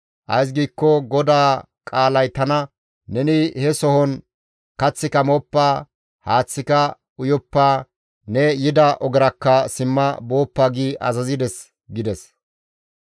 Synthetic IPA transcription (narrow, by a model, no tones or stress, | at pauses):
ʔɐ̰js̬ɡiːkːɔɡɔd̪aː | kʼaːlɐjt̪ɐnɐ | nɛnɪhɛsɔhɔn | kɐt͡sːɪkɐmɔpːaː | haːt͡sːɪkɐ | ʊjɔpːaː | nɛjɪd̪ɐʔɔɡɛɾɐkːɐsɪmːɐbo̞ːpːaːɡiːʔɐ̰zɐzɪd̪ɛs | ɡɪd̪ɛs